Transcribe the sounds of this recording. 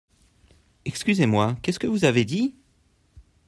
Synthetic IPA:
ɛkskʲyzemwakʲɛskəvuzaved̪i

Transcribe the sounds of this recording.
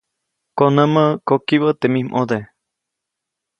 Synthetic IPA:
konəməkokiβət̪emĩmʔod̪e

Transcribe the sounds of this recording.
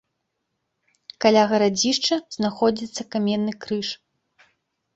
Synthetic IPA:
kalʲaɣɐɾad͡zʲiʂt͡ʂɐz̥naxɔd͡zʲit̪sːɐkamʲɛnːɨkɾɨʂ

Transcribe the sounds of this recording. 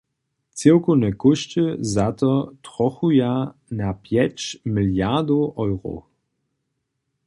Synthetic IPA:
t͡sewkonɛkʊʃt͡ɕəzat̪ɔtʁɔxujanapjɛt͡ʃmɪljad̪oʔɔjʁo̰

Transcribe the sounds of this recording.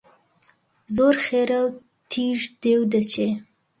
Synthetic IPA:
zoɾxeɾaw | t̪ʰiʐd̪̥ewd̪ət͡ʃe

